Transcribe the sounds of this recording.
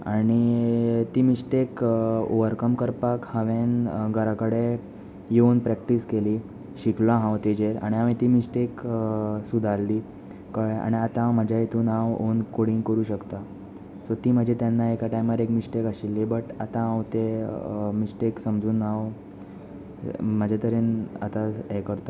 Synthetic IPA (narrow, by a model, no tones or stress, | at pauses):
aɽ̃it̪iːmisʈeko̰ʋəɾkəmkəɾpakhəʋẽnɡəɾakəɽe | jonpɾɛkʈiskeliː | ɕiklãɦãwt̪ed͡ʑeɾa̰ɽ̃iaʋĩt̪iːmisʈeksud̪ʱalːiː | kəɭea̰ɽ̃iat̪ãməd͡ʑʱajet̪uːnãʋonkoɽiːnkəɾuːɕəkt̪a | sot̪iːm̤əd͡ʑʱet̪janːaekaʈajmaɾekmisʈekaɕilːebəʈat̪ãɦãʋt̪e | misʈeksəmd͡zuːnãw | mad͡ʑʱat̪əɾẽnat̪aekəɾt̪a